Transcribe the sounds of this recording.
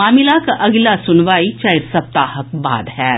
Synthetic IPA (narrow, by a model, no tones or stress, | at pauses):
aːmɪlakaʔɐɡlasʊnʋaːit͡ʃɐɪɾsɐb̚t̪aːhək̚ba̰ːd̪ɦɛː